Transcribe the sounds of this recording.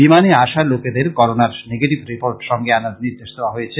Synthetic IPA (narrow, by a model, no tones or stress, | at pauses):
bimaneaʃaloked̪eɾkɔɾonaɾneɡeʈibɾipoɾʈʃɔŋɡeanaɾniɾd̪eʃd̪eaɦojet͡ɕʰe